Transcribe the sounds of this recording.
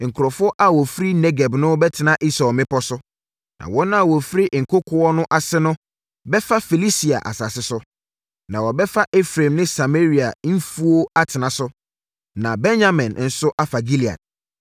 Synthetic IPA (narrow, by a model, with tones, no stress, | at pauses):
ŋ̩˨kʰʊ˨ɾɔ˨fʊ˦ɔ˦ʔa˦wɔ˨fɾi˦nɛ˦ɡɛ˨bnʊ̃˦bɛ˦tʰɪ˨nã˦ʔi˦sɔ˨mɪ̃˦pɔ˦sʊ˦ | nʔã̰˨wɔ̃˦ñ˦a˨wɔ˨fɾi˦ʔŋ̩˨kʰo˦kʰʊ˨ɔ˦nʊ̃˦ʔa˨sɪ˦nʊ̃˦ | bɛ˦fa˦fi˨li˦si˨a̰˨ʔa̰˨sa˨sɪ˦sʊ˦ | nã˨wɔ˨bɛ˦fa˦ʔe˦fɾẽ˨mnɪ̃˦sa˨me˦ɾi˨a˨n̩˦fu˦o˦a˦tʰɪ˨nã˨sʊ˦ | nã˨bɛ̃˦nja˦mɪ̃˨nn̩˦sʊ˦ʔa˦fa˨ɡi˦li˨ã̰˨n